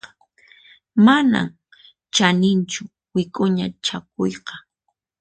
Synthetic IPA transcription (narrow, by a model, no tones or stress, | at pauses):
mana̰m | t͡ʃanɪnt͡ʃʊ | wɪkʼʊɲat͡ʃak̚ʊjqɑ̥